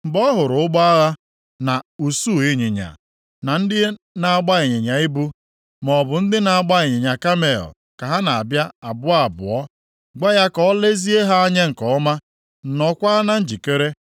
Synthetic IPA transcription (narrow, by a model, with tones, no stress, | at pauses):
m̩˨bɔ˦ɦʊ˨ɾʊ˨ʊ˦ɡ͡ba˦a˦ɣa˦ | na˨u˨su˦˨i˦ɲɪ˨ɲa̰˨ | na˨n̩˦dɪ˦ | na˨ɡ͡ba˦e˨ɲɪ˨ɲa˨i˦bu˦ | mɔ˨bʊ˨n̩˦dɪ˦na˨a˨ɡ͡ba˦ɪ˨ɲɪ˨ɲa˨ka˦me˨ɔ̰˨ | ka˨ɦa˦na˨a̰˨bja˦a˨bʊ˦a˨bʊ̰˨ɔ˦ | ɡ͡ba˦ja˦kɔ˦le˦zi˦e˦ɦa˦a˦ɲe˦ŋ̩˨kɔ˨˦ɔ˦ma˦ | n̩˨nɔ˦kʷa˦na˦n̩˦d͡ʒi˨ke˦ɾe˦